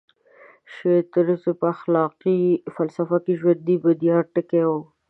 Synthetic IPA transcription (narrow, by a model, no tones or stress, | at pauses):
ʃet̪əɾəsopəaxlɑqifalsafakeʒwand̪ibad̪ijɑɾʈəke